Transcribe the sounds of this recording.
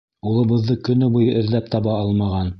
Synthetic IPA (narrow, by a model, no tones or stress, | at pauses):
ulˠɤ̆βɤ̆ðːɤkɵ̆nɵbujɤʔɘ̆ðlæp̚t̪ɑβɑɑlˠmɑʁɑn